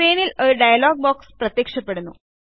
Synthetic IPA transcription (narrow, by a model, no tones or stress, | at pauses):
eːnilo̞ɾuɖɐjɐloːɡ̚boːksprɐt̪jeːkʂɐpːe̞ɽunːu